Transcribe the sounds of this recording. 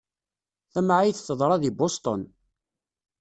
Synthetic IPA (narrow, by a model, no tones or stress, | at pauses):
θæmʕajθθəðˤɾˤɑðibost̪ˤon